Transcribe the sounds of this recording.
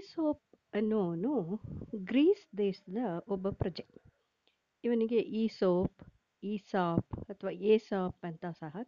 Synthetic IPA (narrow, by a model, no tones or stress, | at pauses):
isoːp̚ɐnːoːnuɡɾiːsd̪eːʃɐd̪ɐʔobːɐpɾɐd͡ʒe | iʋɐniɡeʔiːsoːp | iːsaːpɐt̪ʰɐʋaːeːsaːpɐnt̪asɐɦɐ